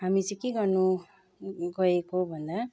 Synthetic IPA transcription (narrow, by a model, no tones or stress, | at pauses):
ɦamit͡sʌ̃ĩkeɡʌrnu | ɡʌekobʱʌnd̪a